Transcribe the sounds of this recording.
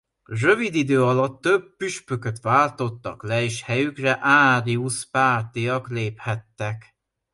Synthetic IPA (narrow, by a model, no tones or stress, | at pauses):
røvid̪id̪øːɒlɒt̪ːøb̚ːyʃpøkøt̪ʋaːlt̪o̞t̪ːɒklɛeːʃhɛjykrɛʔaːɾiuʃpaːrt̪ijɒkleːphɛt̪ːɛk